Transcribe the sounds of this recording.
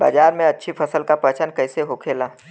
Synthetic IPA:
ba̰ːd͡ʒaːɾmẽɐtːʃʰipʰəsəlkapət͡ʃənkɛɪseɦokʰeːlaː

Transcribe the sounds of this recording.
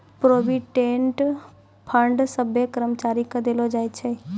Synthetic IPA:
pɾoːbiʈẽːɳʈ | pʰə̃ɳɖsəbʱjəkəɾəmt͡ʃaːɾikad̪elod͡ʒaːet͡ʃʰe

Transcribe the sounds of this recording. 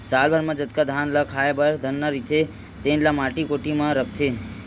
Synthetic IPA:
salbʱəɾmãd͡ʒət̪kad̪ʱanlakʰajebəɾd̪ʱənːaɾit̪e | t̪enlamaʈikoʈimãɾəkʰt̪e

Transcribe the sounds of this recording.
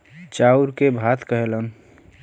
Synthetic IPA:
t͡ʃauɾkebʱat̪kəɦelən

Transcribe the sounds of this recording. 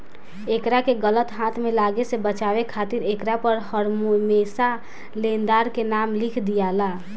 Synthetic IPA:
ekɾakeɡələt̪ɦãt̪ʰmelaɡesebət͡ʃaβekʰat̪iɾekɾapəɾhəɾmumesa | lend̪aɾkenamlikʰd̪ijala

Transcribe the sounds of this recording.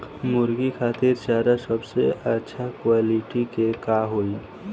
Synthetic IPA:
mʊɾɡikʰaːt̪ɪɾt͡ʃaːɾasəbseətːʃʰakwaːliʈikekaɦoi

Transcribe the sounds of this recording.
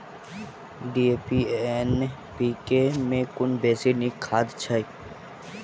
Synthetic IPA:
ɖiːepien | piːkemẽkʊnbeːsinikʰaːd̪t͡ʃʰai

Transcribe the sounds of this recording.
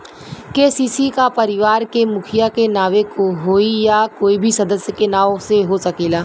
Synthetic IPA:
kesiːsikapɐɾɪʋaːɾkemʊkʰɪjakenaːʋekoɦoːijakoːibʱisɐd̪əsjəkenaːoseɦosɐkeːlaː

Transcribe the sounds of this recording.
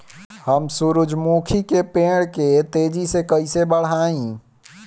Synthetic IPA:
həmsʊɾʊd͡ʒmukʰikepeːɽket̪eːd͡ʒisekəɪsebəɽ̤aːĩ

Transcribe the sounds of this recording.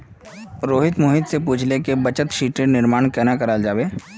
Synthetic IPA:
ɾoːɦɪt̪moːɦɪd̪sepuːt͡ʃʰlekebɐt͡ʃət̪ʃiːʈenɪɾmaːɽ̃kɛːnakɐɾaːld͡ʒaːbeː

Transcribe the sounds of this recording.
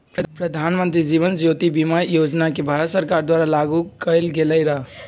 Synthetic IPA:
pɾəd̪ʱanmənt̪ɾid͡ʒiβənd͡ʒjot̪ibimajod͡ʒnakebʱaɾət̪səɾkaɾd̪waɾalaɡukəɪlɡeləjɾəɦ

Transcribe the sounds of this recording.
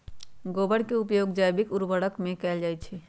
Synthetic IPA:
ɡoːbəɽkeʊpjoːɡd͡ʒaːjbɪkʊɾʋəɽəkmẽkɛːld͡ʒaːjt͡ʃʰɛ

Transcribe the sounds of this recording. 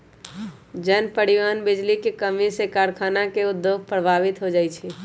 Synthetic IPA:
d͡ʒɛːnpəɽiwaːnbɪd͡ʒlikekəmisekaːɾkʰaːnakeʊd̪ːjoɡ̚ʱpɾəbʱaːʋɪt̪ɦod͡ʒaːit͡ʃʰɛ

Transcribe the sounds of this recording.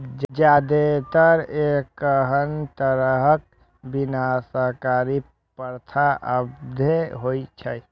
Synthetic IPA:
d͡ʒad̪et̪əɾekəɦənt̪əɾəɦək̚ | binasəɦkaɾi | pəɾt̪ʰaʔəbd̪ʱeɦoit͡ʃʰəj

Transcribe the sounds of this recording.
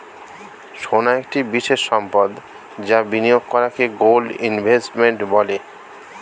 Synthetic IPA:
ʃonaek̚ʈibiʃeʃːɔmpɔd̪ | d͡ʑabinijoɡ̚kɔɾakeɡolɖinbʱesʈmeɳʈbɔle

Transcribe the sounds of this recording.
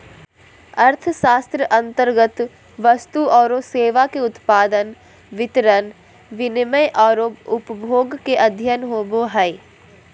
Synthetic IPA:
ɐɾt̪ʰəʃaːst̪ɾəʔɐ̃nt̪əɾɡət̪ | ʋɐst̪uɔːɾoseːʋakeʊt̪paːd̪ən | ʋɪt̪ɾən | ʋɪnɪməjʔɔːɾoːpʊpbʱoːɡkeʔɐd̪ʱjənɦoːboɦɛː

